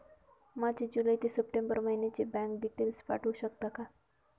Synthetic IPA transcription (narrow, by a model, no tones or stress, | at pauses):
mad͡ʑed͡ʑulajt̪esəp̚ʈẽmbəɾməɦinet͡ɕebɛ̃ŋk̚ɖiʈelspa̰ʈʰuɕəkt̪aka